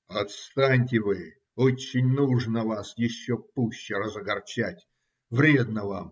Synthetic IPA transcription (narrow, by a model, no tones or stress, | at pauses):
ɐt̪st̪anʲtʲɪvɨ | ot͡ɕːɪnʲnuʐnəvasjɪɕːopuɕːɪɾəzəɡɐrt͡ɕætʲ | vɾʲe̞d̪nəvam